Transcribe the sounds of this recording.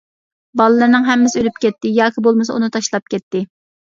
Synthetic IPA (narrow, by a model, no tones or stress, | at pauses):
bɑlˠɨlˠɨɾnɨŋɦɛmːɪsɪølypkʲɛt̪ːɪjɑːkʲʰibolˠmɨsɑ̰unɨt̪ʰɑʃlˠɑp̚kʲʰɛt̪ːɪ